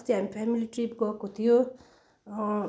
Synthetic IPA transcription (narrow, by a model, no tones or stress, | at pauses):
st̪iɦamipʰɛmiliʈɾipɡʌkot̪ʰijo